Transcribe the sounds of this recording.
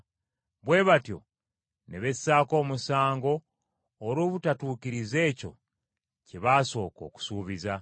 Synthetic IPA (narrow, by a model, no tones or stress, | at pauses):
βwe̞ːβatjo̞̰ | ne̞βe̞sːaːko̞ːmusaːŋɡo̞ː | ɾoβutatuːkiɾize̞ːco̞̰ | ciβaːso̞ːko̞̰ku̥suːβiza